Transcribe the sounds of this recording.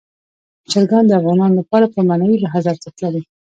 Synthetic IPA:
t͡ʃaɾɡɑnd̪əafɣɑnɑnolapɑɾapəmanailaɦazɑɾt̪at̪ladi

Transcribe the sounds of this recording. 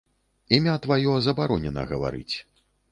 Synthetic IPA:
imʲat̪vajɔzɐbaɾɔnʲɛnɐ̰ɣɐva̰ɾɨ̰t͡sʲ

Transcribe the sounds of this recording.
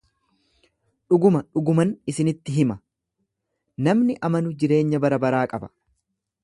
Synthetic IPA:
ᶑʊɡʊmɐᶑʊɡʊmɐnɪsɪnɪt̪ːɪɦɪmɐ | nɐmnɪʔɐmɐnʊd͡ʒɪɾe̞ːɲːɐbɐɾɐbɐɾaːkʼɐbɐ̥

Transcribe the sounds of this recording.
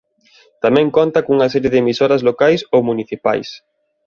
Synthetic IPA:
t̪amɛ̃ŋkont̪ɐkouŋɐsɛɾjɪðemisoɾɐzlokajsowmuniθipa̰js

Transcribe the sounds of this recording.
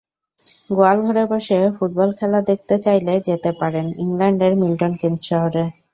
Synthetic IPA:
ɡoalɡʱɔɾebɔʃefuʈ̚bɔlkʰɛlad̪ek̚ʰt̪et͡ɕajled͡ʑet̪epaɾeniŋlaɳɖeɾmilʈonkend̪ɾʃɔɦoɾe

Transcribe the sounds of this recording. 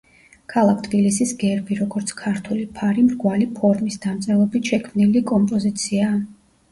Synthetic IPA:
kʰalˠak̚ʰt̪ʰbilisisɡɛɾbiɾɔɡɔɾt̪sʰkʰaɾt̪ʰulipʰaɾimɾɡwalipʰɔɾmisd̪amt̪sʼɛlˠɔbit̪ʃɛkʰmnilikʼɔmpʼɔzit̪sʰiaː

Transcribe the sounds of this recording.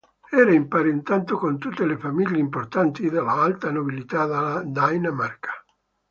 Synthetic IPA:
ɛːɾaimpaːɾeint̪ant̪okont̪ut̪ːelefamilːeimport̪ant̪id̪alːaalt̪anobilit̪ad̪ad̪ajnamarkḁ

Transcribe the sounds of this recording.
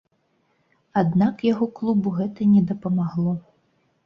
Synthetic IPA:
ad̪nakjaɣɔklˠubuɣɛt̪ɐnʲɛd̪ɐpɐmaɣlˠɔ

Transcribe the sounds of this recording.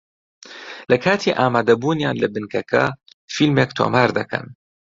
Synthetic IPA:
lɐkʰaːt̪ʰiːʔaːmaːd̪ɐbuːnjaːnlɐbɨnkʰɐkʰɐ̰ | filmeːkt̪ʰo̰ːmaːɾd̪ɐkʰɐ̰n

